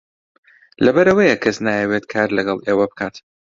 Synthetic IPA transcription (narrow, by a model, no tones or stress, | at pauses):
lɐbɐɾɐwɐjɐkʰɐsnaːjɛwet̪kʰaːɾlɐɡɐlˠʔeːwɐbɨkʰaːt̪